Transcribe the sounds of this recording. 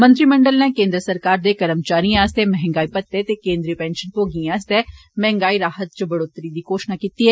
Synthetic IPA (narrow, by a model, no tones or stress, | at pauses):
mɐ̃nt̪ɾimɐɳɖəlnẽkẽːnd̪ɾəsɐɾkaːɾd̪ekɐɾəmt͡ʃaːɾĩaːst̪ɛmɛɦɛ̃ŋɡaːipɐt̪ːet̪ekẽːnd̪ɾipɛ̃ːnʃənkoɡĩaːst̪ɦɛ | mɛɦɛ̃ŋɡaːiɾaːhət̪̚t͡ʃəbɐɽoːt̪ɾid̪ikoːʃnakiːt̪iɦɛː